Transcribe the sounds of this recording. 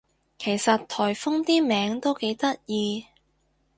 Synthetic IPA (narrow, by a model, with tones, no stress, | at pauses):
kʰe˨˩jsɐ˨tt̪ʰɔː˨˩jfʊ˥ŋt̪iː˥mɛː˨˥ŋt̪o˥wke˨˥jt̪ɐ˥t̚jiː˧